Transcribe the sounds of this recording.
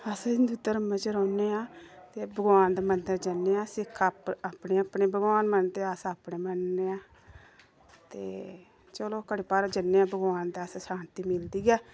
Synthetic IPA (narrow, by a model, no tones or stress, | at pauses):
əsãd͡ʒɪnd̪ʱut̪əɾəmːẽːt͡ʃəɾɔːneːãːt̪eːbəɡʋaːnd̪eːmənd̪əɾd͡ʒənːeːãːsɪkʰːaapneːapneːbəɡʋaːnmənt̪eːəsaːpneːmənːeːãː | t̪eː | t͡ʃəloːkəɽepaːɾd͡ʒənːeːãːbəɡʋaːnd̪eassaːnt̪iːmɪld̪iːɡɛː